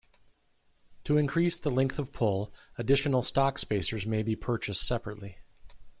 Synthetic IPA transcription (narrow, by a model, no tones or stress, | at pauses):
tʰəɨ̃nkʰɹ̥isðəlɛ̃ŋkθʌv̥pʰʊlˠɨdɪʃɨn̩l̩ˠstɑkspeɪsə˞zmeɪbipʰɜ˞t͡ʃɨstsɛpɹɨtˡli